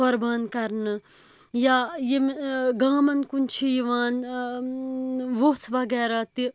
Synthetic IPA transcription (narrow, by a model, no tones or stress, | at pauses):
ɐɾbaːnkɐɾnɨ | jajemɡaːmɐnkunt͡ʃʰijiʋaːn | ʋot͡sʰʋɐɡɛːɾat̪i